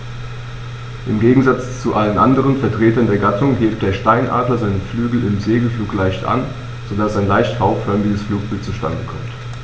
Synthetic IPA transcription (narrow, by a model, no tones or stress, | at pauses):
ʔɪmɡeːɡŋ̩zat͡st͡suʔalənʔandəʁ̞ənfɛɐtʁ̥eːtɐndeːɐɡatʰʊŋheːp̚t̚d̥eːɐʃtaɪnʔa̰ːdlɐzaɪnəflyːɡl̩ɪmzeːɡl̩fluːklaɪçtʔa̰n | z̥odasaɪnlaɪçthaʊffœɐmɪɡəsfluːk̚b̥ɪltt͡suʃta̰ndəkʰɔ̰mt